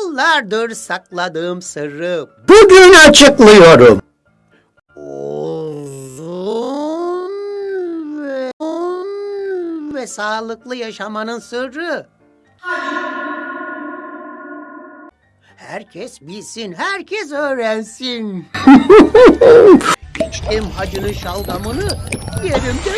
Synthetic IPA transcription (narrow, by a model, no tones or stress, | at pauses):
lˠːaɾd̪ɯɾsaklˠad̪ɯːmsɯɾɯ | b̥uɟynat͡ʃʰɯklˠɯjo̞ɾum | o | u | n | ɛn | vɛsaːlˠɯklˠɯjaʃamanɯnsɯɾɯ | hæɾcʰɛsbilʲsinɦæɾcʰɛs̬øːɾænsin | it͡ʃt̪imhad͡ʒɯnɯnʃalˠɡamɯnɯjeɾimd̪ɛ